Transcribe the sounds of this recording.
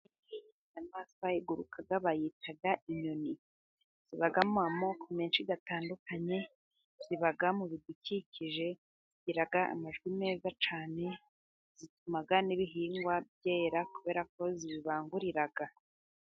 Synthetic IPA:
iɡii | namaːsβajiɡuɾukʰaɡaβajitʰaɡaʔiɲoni | z̥iβaɡamumamo̞kʰomeːnʃiɡataːndukaɲe̞ | z̥iβaɡamuβiducicʰiʒe̞ | ɟiɾaɡaa̰maʒɡwime̞ːzat͡ʃaːne̞ | z̥itumaɡaniβiɦiːŋɡwabje̞ːɾakuβe̞ːɾako̞ziβiβaːŋɡuɾiɾaɡa

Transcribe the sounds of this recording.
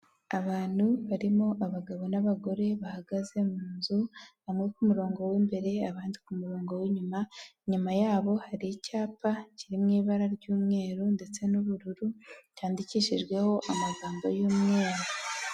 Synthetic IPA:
aβaːn̥huβaɾimoʔaβaɡaβo̞naβaɡo̞ɾe̞βahaɡaze̞muːnzu | amŋekumuɾo̞ːŋɡo̞wimbe̞ɾe̞aβaːndikumuɾo̞ːŋɡo̞wiɲumaɲumajaːβo̞haɾiicaːpaciɾimŋiːβaɾaɾɟuːmŋe̞ːɾunde̞t͡se̞nuβuɾuɾutʰaːndiciːʃiʒɡwe̞ho̞ʔamaɡaːmbojuːmŋe̞ːɾu

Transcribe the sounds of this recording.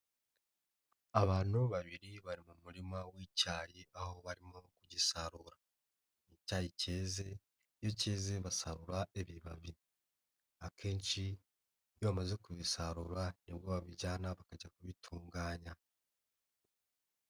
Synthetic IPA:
aβaːn̥huβaβiɾiβaɾimumuɾimawicaːjeʔaho̞βaɾimokuɟisaɾuɾa | icajice̞ːze̞ | jo̞ce̞ːze̞βasaɾuɾaʔeβiβa̰βi | akʰe̞ːnt͡ʃi | joβamaze̞kuβisaɾuɾanibɡoβaβiɟaːnaβakaɟakuβitʰuːŋɡaːɲa

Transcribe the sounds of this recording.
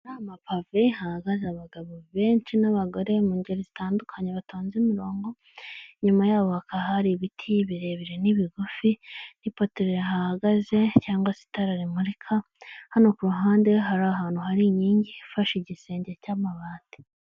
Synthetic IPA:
ɾamapavehahaɡazaβaɡaβoβe̞ːɲt͡ʃinaβaɡo̞ɾe̞muɲɟeɾezitaːndukʰaɲeβatoːnzimiɾo̞ːŋɡo̞ | ɲumajaːβo̞hakaɦaɾiβitʰiβiɾe̞βiɾeniβiɡufinipo̞teɾehahaɡaze̞caːŋɡwasi̥taɾaɾimuɾikʰa | hano̞kuɾuɦaːndewɦaɾaɦaːnhuhaɾiɲiːɲɟifaʃiɟise̞ːɲɟecaːmaβaːti̥

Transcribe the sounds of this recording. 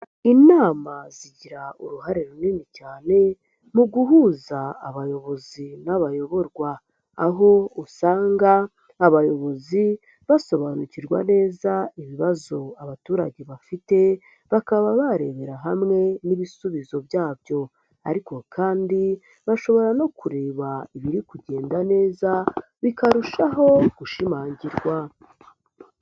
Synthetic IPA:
inaːmaziɟiɾauɾuhaɾeɾuninicaːne̞ | muɡuɦuːzaaβajo̞βo̞zinaβajo̞βo̞ɾɡwaː | ɦo̞usaːŋɡaː | βajo̞βo̞zi | βaso̞βanuciɾɡwa̰ne̞ːzaiβiβazo̞aβatuːɾa̰ɟe̞βafite̞ | βakaβaβaɾe̞βe̞ɾaɦamŋe̞niβisuβizo̞bjaːbjo̞ | a̰ɾiko̞kʰaːndi | βaʃo̞βo̞ɾano̞kuɾe̞ːβaiβiɾikuɟe̞ːndane̞ːza | βikaɾuʃaɦo̞ɡ̥uʃimaːɲɟiɾɡwa

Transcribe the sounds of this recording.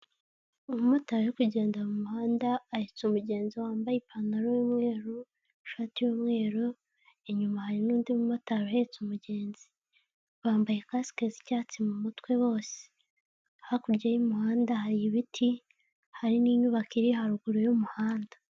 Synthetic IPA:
umumotaɾekuɟe̞ːndamumuhaːndaːhet͡sumuɟe̞ːnziwaːmbajepʰanaɾojomŋe̞ːɾo | ʃaːtijomŋe̞ːɾo | eɲumahaɾinuːndimumotaɾoaet͡sumuɟe̞ːnzi̥ | βaːmbaje̞kasi̥kezicaːt͡simumutwe̞βo̞ːse̥ | hakuɾɟajimuhaːndahaɾiβitʰi | haɾiniːɲuβakiɾihaɾuɡuɾojomuhaːnda

